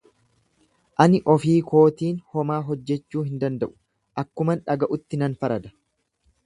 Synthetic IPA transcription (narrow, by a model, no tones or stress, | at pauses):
ʔɐnɪʔɔfiːkʰo̞ːt̪iːnhɔmaːɦɔd͡ʒːɛt͡ʃːuːhɪnd̪ɐnd̪ɐʔʊ̥ | ʔɐkːʊmɐnᶑɐɡɐʔʊt̪ːɪnɐnfɐɾɐd̪ɐ̥